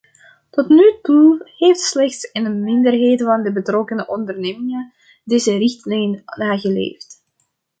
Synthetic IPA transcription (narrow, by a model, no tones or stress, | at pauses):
tɔtnytuheːftslɛxtsɪndəmɪndərɦeːdəvɑndəbətrɔkənəʔɔndərneːmɪŋə | deːzərɪxtlɛjnnːaːɣəlḛːft